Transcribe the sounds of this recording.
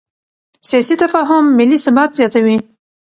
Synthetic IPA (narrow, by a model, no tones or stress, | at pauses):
sijɑsit̪afɑɦʊmːɪlːisʊbat̪zjɑt̪awi